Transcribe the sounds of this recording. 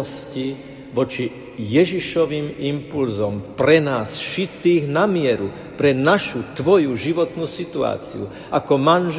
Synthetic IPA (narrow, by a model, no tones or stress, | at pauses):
sci | ʋɔt͡ʃi | jɛʒiʃɔʋiːmimpulzɔmpɾɛnaːsʃit̪ːiːɣnamɪɛɾu | pɾɛnaʃut̪ʋɔjuʒiʋɔt̪nuːsit̪ua̰ːt͡sḭṵ | akɔmanʒ